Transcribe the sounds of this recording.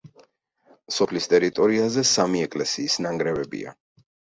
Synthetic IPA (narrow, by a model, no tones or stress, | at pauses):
sɔpʰlist̪ʼɛɾit̪ʼɔɾiazɛsamiɛkʼlɛsiːsnaŋɡɾɛvɛbḭa̰